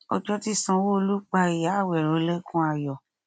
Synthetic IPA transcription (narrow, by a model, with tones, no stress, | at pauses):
ɔ̰˧d͡ʒɔ˦ti˧sɔ̃˧wo˦˧lu˦k͡pa˧i˨ja˨˦˨wɛ˨ɾo˨˦lɛ˦kũ˦a˧jɔ˨